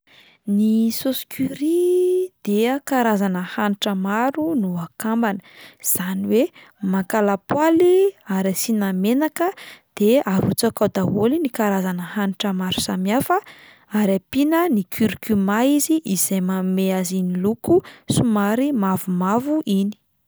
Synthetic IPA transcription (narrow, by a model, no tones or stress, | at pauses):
nisoskʰyɾid̪̥eakaɾazanəhaniʈ͡ʂəmaɾunuakambanəz̥aniwe | makalapwaliaɾasinamenakəd̪̥eaɾut͡sakad̪aɦolinikaɾazanəhaniʈ͡ʂəmaɾu̥samjafə | aɾapinənikʰyɾikymaiziʔizajmameazinilukusumaɾimavumavuʔini̥